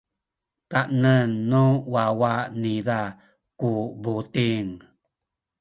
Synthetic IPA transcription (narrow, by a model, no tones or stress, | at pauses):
taʔnənːuwawaniða | kubut̪iŋ